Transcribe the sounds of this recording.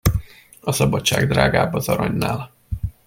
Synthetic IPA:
ɒsɒbɒtt͡ʃaːɡd̪raːɡaːbɒzɒɾɒɲnaːl

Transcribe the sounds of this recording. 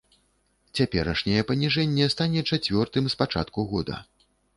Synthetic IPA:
t͡sʲapʲɛɾɐʂnʲɛjɛpɐnʲiʐɛnʲːɛst̪anʲɛt͡ʂat͡sʲvʲɔrt̪ɨmspat͡ʂa̰t̪kuɣɔd̪ɐ̰

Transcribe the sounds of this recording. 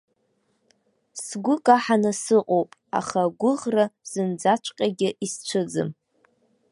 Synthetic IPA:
sɡʷʊkʼaħanɨsɨqʼowpʼa̰χaɡʷʊʁraz̥ɨnd͡zat͡ʃʷʰʼqʲʼaɡʲɪʔist͡ʃʷʰɨd͡zɨ̰m

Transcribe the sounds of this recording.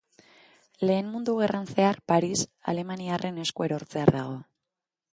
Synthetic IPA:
le̞ːnmund̪uɣ̞erant͡searpaɾisa̰le̞maniarʔe̞ne̞skue̞ɾo̞ɾt͡se̞aɾðaɣ̞o̞

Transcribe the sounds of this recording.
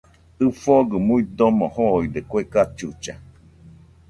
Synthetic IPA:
ɨfoɡɯmuid̪omohoid̪ekʷekat͡ʃut͡ʃa

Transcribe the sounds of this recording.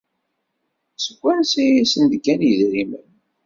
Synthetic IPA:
səɡʷːænsijisənd̪kːænjəðɾimən

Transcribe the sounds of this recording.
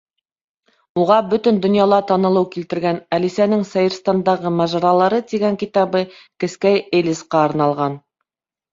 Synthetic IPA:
uʁɑbɵt̪ɵ̆nd̪ŏnjɑlˠɑt̪ɑnɤ̆lˠɤwkilt̪ɘ̆ɾɡænælisænɘŋsɑjɤ̆ɾst̪ɑnd̪ɑʁɤmɑʒɑɾɑlˠɑɾɤt̪iɡæŋkit̪ɑβɤ | kɘ̆skæjelʲisqɑːɾnɑlˠʁɑn

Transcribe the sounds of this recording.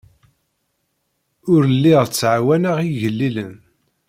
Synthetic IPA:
ʊɾəlːiʁt͡sːʕawænaʁiʝəlːilən

